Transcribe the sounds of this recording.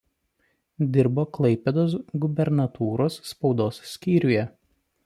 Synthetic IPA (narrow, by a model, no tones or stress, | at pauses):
d̪ʲɪɾboːklˠɐɪpʲɛd̪oːs̬ɡʊbʲɛɾnɐt̪uːɾoːsːpɒʊd̪oːssːʲkʲiːɾʲʊjɛ